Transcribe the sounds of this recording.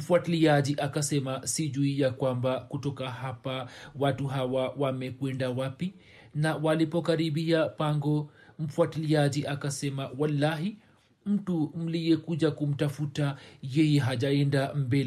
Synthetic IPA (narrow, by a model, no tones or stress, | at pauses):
m̩fuatiliaʄiʔakasɛmasiʄuiakwambakutɔkahapawatuɦawawamɛkwɛndawapi | nawalipɔkaɾiɓiapaŋɡɔm̩fuatiliaʄiʔakasɛmawalːaɦi | m̩tum̩liɛkuʄakum̩tafutajɛjɛɦaʄaɛndambɛli